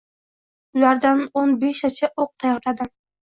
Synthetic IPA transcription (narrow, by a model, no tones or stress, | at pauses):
ʊlaɾd̪anonbeʃat͡ʃʰaʔoq̚t̪ʰajɒɾlad̪ɪm